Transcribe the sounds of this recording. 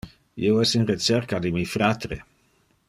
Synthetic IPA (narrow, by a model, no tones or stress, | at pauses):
ḭoɛsinret͡sɛɾkad̪imifɾat̪ɾḛ